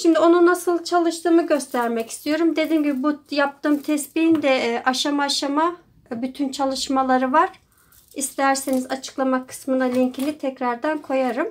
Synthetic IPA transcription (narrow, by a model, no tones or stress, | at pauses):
ʃimd̪io̞nunasɯlˠt͡ʃʰalˠɯʃt̪ɯːmɯɟø̞st̪ʰæɾmɛci̥st̪ʰijo̞ɾumd̪e̞d̪inɟibibujap̚t̪ʰɯːmt̪ʰɛsbiind̪ɛʔaʃamaːʃama | byt̪ʰynt͡ʃʰalˠɯʃmalˠaɾɯvaɾ̥ | ist̪ʰæɾsenizat͡ʃʰɯ̥klˠamakʰːɯ̥smɯnalʲiɲcʰilʲit̪ʰɛcɾaɾd̪ankʰo̞jaɾɯm